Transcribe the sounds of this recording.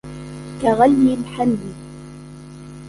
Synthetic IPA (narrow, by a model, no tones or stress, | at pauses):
kaɣaljɪlħanːɪ